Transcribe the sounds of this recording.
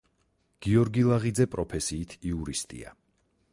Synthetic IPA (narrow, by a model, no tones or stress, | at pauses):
ɡ̥iɔɾɡilˠaʁid̪zɛpʼɾɔpʰɛsiːt̪ʰiuɾist̪ʼḭa̰